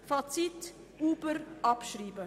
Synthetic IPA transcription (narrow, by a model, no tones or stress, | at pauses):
fat͡sit | uːbəɾʔɑpʃɾiːbə